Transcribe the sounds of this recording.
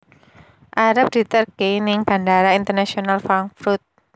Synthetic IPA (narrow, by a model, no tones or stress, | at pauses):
ʔaɾap̚d̥i̤t̪ərɡejnɪŋb̥a̤ndaɾaint̪ərnasionalfaŋfɾut̪̚